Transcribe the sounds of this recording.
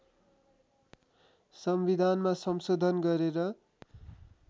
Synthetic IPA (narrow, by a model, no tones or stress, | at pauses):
sʌmbid̪ʱanmasʌmsod̪ʱʌnɡʌɾeɾʌ